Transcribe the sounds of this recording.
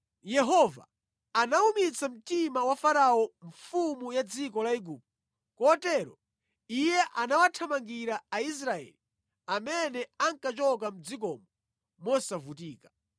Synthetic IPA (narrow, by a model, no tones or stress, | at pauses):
jɛɦɔva̰ː | naumit͡sʰam̩timawafaɾaɔɱfumujad͡zikɔlaiɡuːp̚tɛ | kɔtɛɾɔ | ijɛʔanawatʰamaŋɡiɾaːis̬ɾaɛ̰li | amɛnɛaŋkat͡ʃɔkam̩d͡zik̬ɔmɔ | mɔsavutiːkḁ